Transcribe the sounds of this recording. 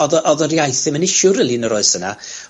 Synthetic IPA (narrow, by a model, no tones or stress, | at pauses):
ɔðʔɔðərjajθɪmənɪʃʊɾɪlˠinəɾoɨsəna̰